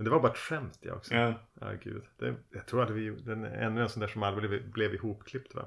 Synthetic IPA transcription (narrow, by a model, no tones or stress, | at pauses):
mɛnd̪ɛvaɾbɑːɾt̪ɧɛmt̪ʰjɑ̰ɔ̰ksɔɑ̰ɡʉ̟̰ːd̪d̪̥ɛ̰jaɡt̪ʰɾuːɾalɾvɪd̪ɛnɛ̰nːʉɛnsɔnt̪æːʂɔmalːɾɪblɛvblɛvɪhuːpkʰlɪpt̪ʰːvɑ̰